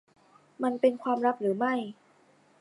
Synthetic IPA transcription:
ma˧npe˧nkʰwaː˧mɾa˦˥k̚ɾɯː˩˦ma˥˩j

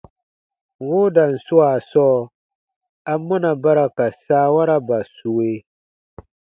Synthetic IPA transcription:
wʊ˦da˨n̩˨sʊ˦a˨sɔː˦ | a˦mɔ˦na˨ba˦ɾa˨ka˨saː˦wa˦ɾa˦ba˨su˨we˦

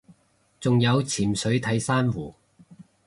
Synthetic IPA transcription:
t͡sʊ˨ŋjɐ˨˧wt͡sʰiː˨˩msɵ˨˥ɥt̪ʰɐ˨˥jsaː˥nwuː˨˩

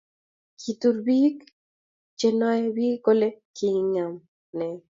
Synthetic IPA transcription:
kʰi˨t̪u˦ɾbi˦k | t͡ʃe˦nɔ˦ɛ˦bi˦ko˦le˦kʰi˨ŋŋa˨m | nɛ˨

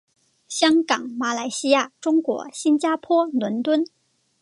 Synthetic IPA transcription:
ɕjɑ˥ŋkɑ˨˩˦ŋma˧˥la˧˥ɪɕi˥ja˥˩ʈ͡ʂʊ˥ŋkwɔ̰˧˥ɕi˥nt͡ɕja˥pʰwɔ˥nwə˧˥nt̪wə˥n

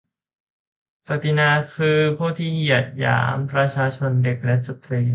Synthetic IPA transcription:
sa˨˩t̪i˧naː˧kʰɯː˧pʰuː˥˩t̪ʰiː˥˩i˧˨˩t̪̚ja̰ː˩˦mpɾa˧t͡ɕʰaː˧t͡ɕʰo˧nde˨˩k̚lɛ˦˥sa˧t̪ɾiː˧

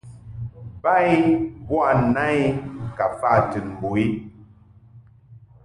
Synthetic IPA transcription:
ba˦i˦bwa˦˨na˦i˦ka˨fa˦˨tɨ˨nm˨bo˨i˦

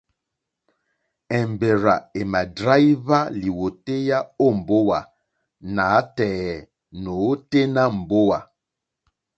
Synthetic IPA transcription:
ɛ˨m˨be˨ɾa˨e˨ma˨dɾa˦jva˦li˨wo˨te˦ja˦o˦˨m̩˨bo˦wa˨ | na˨˦tɛː˨ | no˨˦te˦na˦m̩˨bo˦wa˨

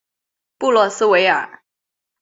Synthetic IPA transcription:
pu˥˧lwɔ˥˩sɹ̩˥we˧˥ɪə˞˨˩˦

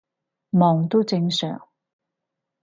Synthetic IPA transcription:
mɔː˨˩ŋt̪o˥t͡sɪ˧˥ŋsœ̰ː˨˩ŋ

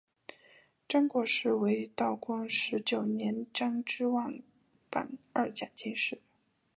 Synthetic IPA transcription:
ʈ͡ʂɑ˥ŋkwɔ˧˥ʂɻ̩˥˩we˧˥ɪ˧˥t̪ɑ˥˩ʊkʰwɑ˥ŋʂɻ̩˧˥t͡ɕjo˨˩ʊnjɛ˧˥nʈ͡ʂɑ˥ŋʈ͡ʂɻ̩˥wa˥˩n | pa̰˨˩nɐ˥˩t͡ɕja˨˩t͡ɕi˥˧nʂɻ̩˥˩

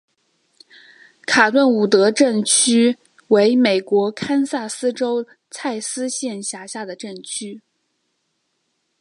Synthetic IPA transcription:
kʰa˨˩t̪wə˥˩nu˨˩t̪ɤ˧˥ʈ͡ʂə˥˩ŋt͡ɕʰy˥ | we˧˥ɪme˨˩ɪkwɔ˧˥kʰa˥nsa˥˩sɹ̩˥ʈ͡ʂo˥ʊ | t͡sʰa˥˩ɪsɹ̩˥ɕjɛ˥˧nɕja˧˥ɕja˥˩d̪ə˩ʈ͡ʂə˥˩ŋt͡ɕʰy˥

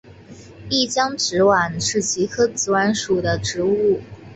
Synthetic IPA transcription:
i˥˩t͡ɕjɑ˥ŋʈ͡ʂɻ̩˧˥wa˨˩nʂɻ̩˥˩t͡ɕi˧˥kʰɤ˥t͡sɹ̩˧˥wa˧˥nʂu˨˩d̪ə˦ʈ͡ʂɻ̩˧˥u˥˩

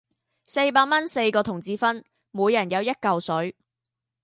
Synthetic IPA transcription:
se˧jpaː˧k̚mɐ˥nse˧jkɔː˧t̪ʰʊ˨˩ŋt͡siː˧fɐ˥n | muː˨˧jɐ˨˩njɐ˨˧wjɐ˥t̚kɐ˨wsɵ˨˥ɥ

